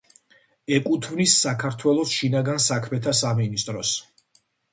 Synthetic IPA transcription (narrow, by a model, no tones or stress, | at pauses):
ɛkʼut̪ʰmnisːakʰaɾt̪ʰwɛlˠɔsʃinaɡansakʰmɛt̪ʰasaminist̪ʼɾɔs